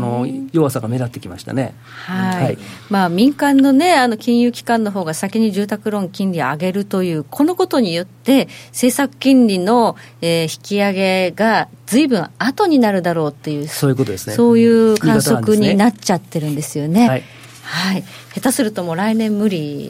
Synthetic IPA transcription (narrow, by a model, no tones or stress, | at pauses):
nojoβasaɡame̞d̪at̪ːe̞kʲimaɕi̥t̪a̰ne̞ | haimaːmʲĩŋkãnːo̞ne̞ano̞kʲĩɰ̃jɯːkʲi̥kãnːo̞ɦo̞ːɡasakʲiɲ̟iʑɨːt̪akɯ̟ɾõ̞ŋkʲĩnɾʲioaɡe̞ɾɯ̟t̪o̞jɯ̟ːkʰo̞no̞ko̞t̪o̞ɲ̟ijo̞t̪ːe̞se̞ːsakɯ̟̥kʲĩnɾʲino̞ | eːçi̥kʲiaɡe̞ɡa | zɨibɯ̟̃ɰ̃at̪o̞ɲ̟inaɾɯ̟d̪aɾo̞ːt̪ːe̞jɯ̟ːsoːjiɯkot̪od̪esnso̞ːjɯ̟ːkãɰso̞kɯ̟ɲ̟inat͡ɕat̪ːe̞ɾɯ̟̃nd̪e̞sɨjo̞ne̞a | hai | he̞t̪asɨɾɯ̟t̪o̞mo̞ɾainẽ̞mːɯ̟ɾʲi